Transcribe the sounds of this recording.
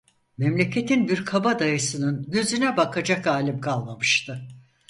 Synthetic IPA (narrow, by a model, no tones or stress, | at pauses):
mɛmlʲe̞cʰe̞t̪ʰinbiɾkʰabad̪ajɯsɯnɯnɟøzynɛbakʰad͡ʒakaːlʲimkʰalˠmamɯʃt̪ʰɯ